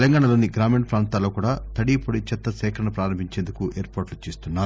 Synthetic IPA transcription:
lɐŋɡaːɳɐlo̞ːniɡɾaːmeɳʈpɾaːnt̪aːlo̞ːkuːɽaːt̪ɐɽipoɽit͡ʃɐt̪ːɐsɛːkʰɾɐɳɐpɾaːɾɐmbʱiɲt͡ʃeːnd̪ukuʔeːɾpaːʈlut͡ʃeːst̪unːaːu

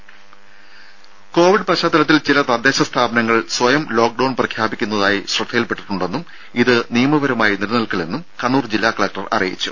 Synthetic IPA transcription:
ko̞ːʋiɖpɐɕaːt̪ːɐlɐt̪̬ːilt͡ɕilɐt̪ɐd̪eːɕɐst̪ʰaːbɐnɐŋːɐɭswɐjɐmlo̞ːk̚ɖɐwnprɐkʰjaːbikʲːunːɐðaːjiɕrɨd̪ʱːɐjɐlpe̞ʈːiʈːuɳɖe̞nːum | iðɨnijɐmɐʋɐɾɐmaːjiniɾɐnɐlkɐɭe̞nːumkɐɳuːrd͡ʑilːaːkɐɭɐk̚ʈɐrɐ̰rijḭt͡ɕːṵ

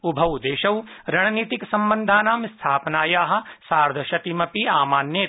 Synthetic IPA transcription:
ubʱɐwd̪eːʃɐwɾɐɳ̃ɐniːt̪iksɐmbɐnd̪ʱaːnaːmst̪ʰaːpnaːjaːɦɐ̆saːɾd̪ʱɐʃɐt̪imɐpiaːmaːnjeːt̪

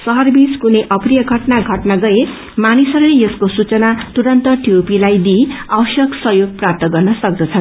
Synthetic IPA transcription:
sʌɦʌrbiskuneʔʌprijʌɡʱʌʈnaɡʱʌʈnaɡʌe | manisʌɾulejʌskosut͡sʌnat̪uɾʌnt̪ʌʈijopilajd̪iʌwsjʌksʌɦjoɡ̚prap̚t̪ʌɡʌrnʌsʌk̚d̪ʌt͡sʰʌn

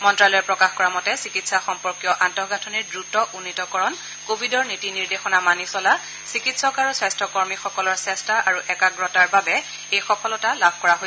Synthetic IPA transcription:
mɔntɹalɔjɛpɹɔkaxkɔɹamɔtɛsikitsaxɔmpɔɹkijɔʔantɔhɡatʰɔniɹdɹutɔʔunːitɔkɔɹɔn | kobʱidɔɹnitiniɹdexɔnamanisɔla | sikitsɔkaɹusɹastʰɔkɔɹmixɔkɔlɔɹsɛstaʔaɹuʔɛkaɡɹɔtaɹbabɛ | ejxɔkɔlɔtalabʱkɔɹaɦo

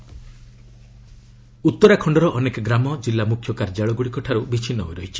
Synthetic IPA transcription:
ut̪ːɔɾakʰɔɳɖɔɾɔʔɔnekɔɡɾamɔd͡ʒilːamukʰjɔkaɾd͡ʒaɭɔɡuɽikɔʈʰaɾubit͡ʃʰinːɔɦojɾɔɦit͡ʃʰi̥

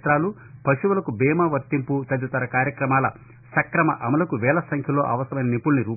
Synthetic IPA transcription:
t̪ɾaːlu | pɐʂuʋɐlɐkubɛːmaːʋɐɾt̪ːimput̪ɐd̪ɐt̪ɐɾɐkaːɾjɐkɾɐmaːlɐ | sɐkɾɐmɐ̰ʔɐmɐlɐkuʋɛːlɐsɐŋkʰjɐlo̞ːʔɐ̰ʋɐst̪ɐʋɐjnɐnipːulniɾuː

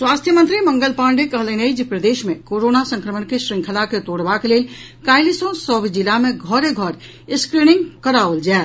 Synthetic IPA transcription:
swaːst̪ʰjəmə̃nt̪ɾimə̃ŋɡəlpãːɳɖekəɦleneid͡ʒpɾəd̪eːʃmẽkoːɾoːnasə̃ŋkɾəməɳkeʃɾɪ̃ŋkʰəlaket̪oːɽbakeleːl | kaːɪlisõsɔːbid͡ʒɪlamẽɡʱɔɾeɡʱɔɾ | ɪskɾiːnɪ̃ŋɡkəɾaold͡ʒaː

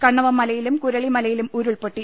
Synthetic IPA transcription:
kɐɳːɐʋɐmːɐlɐjɪlɯmkʊɾɐɭimɐlɐjɪlɯmuːɾɯɭpoʈːi

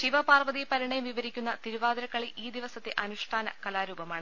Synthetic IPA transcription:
ɕiʋɐpaːrʋɐðipɐɾiɳɐjumʋiʋɐɾikʲːunːɐt̪iɾuʋaːd̪ɐɾɐkːɐɭiʔiːd̪iʋɐsɐt̪ːeʔɐnuʂʈʰaːnɐ̰kɐlaːɾuːbɐmaːɳɨ

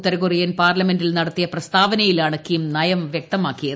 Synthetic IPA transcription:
t̪ːɐɾɐɣurijɐnpaːrlɐme̞ndilnɐɽɐt̪ːijɐprɐst̪ʰaːʋɐnɐjilaːɳɨkimnɐjɐmʋjek̚t̪ɐmaːkːijɐ

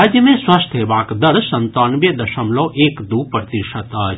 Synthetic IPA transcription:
aːd͡ʒjəmẽsʋɐst̪ʰɦeʋaːkd̪ɐɾsɐnt̪aːnʋjɐd̪ɐʃɐmloːʔeːkd̪upɾt̪iʃɐt̪ɐː

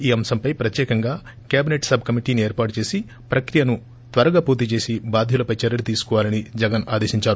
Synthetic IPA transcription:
iːɐmsɐmpɐjpɾɐt̪jɛːkɐŋɡaː | kjaːbineʈsɐbʱkɐmiʈiːnieːɾpaːʈut͡ʃe̞ːsi | pɾɐkɾijɐnu | t̪ʋɐɾɐɡaːpuːɾt̪it͡ʃe̞ːsibaːd̪ʱjulɐpɐjt͡ʃɐɾɐlut̪iːsu̥kɔʋaːlɐnid͡ʒɛɡɐna̰ːd̪e̞ːʃiɲt͡ʃaːɾu

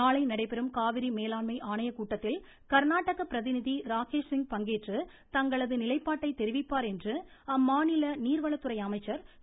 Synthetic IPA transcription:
aːɭɐɪnɐɽɐɪpɛɾɯmkaːʋɪɾimeːlaːɳmɐɪʔaːɳɐjɐkuːʈːɐt̪ːɪl | kɐɾnaːʈːɐɣɐpɪɾɐðɪnɪðiɾaːkeːʂsɪŋɡ̚pɐŋɡeːʈrɯ | t̪ɐŋɡɐɭɐðɯnɪlɐɪpːaːʈːɐɪt̪ɛɾɪʋɪpːaːɾɛndrɯɐmːaːnɪlɐniːɾʋɐɭɐt̪ːɯɾɐɪjɐmɐɪt͡ʃːɐɾ

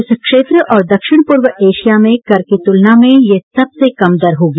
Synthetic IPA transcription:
ʊskʃeːt̪ɾəʔɔːɾd̪ɐkʃɪɽ̃pʊɾʋəʔeːʃijamẽkɐɾket̪ʊlnamẽjesɐbsekɐmd̪ɐɾɦoːɡ

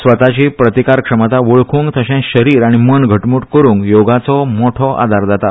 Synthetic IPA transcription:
sʋət̪at͡ɕiːpɾət̪ikaɾkʂəmat̪aʋoɭkʰũːŋɡt̪əɕɛ̃ɕəɾiːɾaɽ̃imənɡʱəʈmuːʈkəɾũːŋɡjoɡat͡sɔmoʈʰɔʔa̰d̪ʱaɾd͡zat̪a

